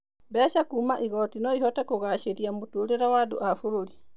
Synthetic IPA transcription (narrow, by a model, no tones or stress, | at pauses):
bɛʃakuːmaʔiɣɔtinɔihɔtakoɣaʃeɾiamutuɾeɾawadṵʔafuɾoɾi